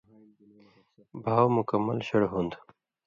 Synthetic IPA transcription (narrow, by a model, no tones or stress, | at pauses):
bʱaːwmʊkəmːə̰lɕəɽɦund̪